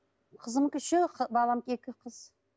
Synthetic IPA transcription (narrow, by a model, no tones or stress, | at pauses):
qʰəzəmkʲɪʃɪqʰbɑlˠɑmkʲekʲɪqʰəz̥